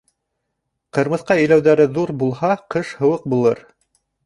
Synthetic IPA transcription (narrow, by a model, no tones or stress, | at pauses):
qɤ̆ɾmɤ̆θqɑɵ̆jlæwðæɾɘðuɾbulˠhɑqɤʃhɤ̆wɤq̚bulˠɤɾ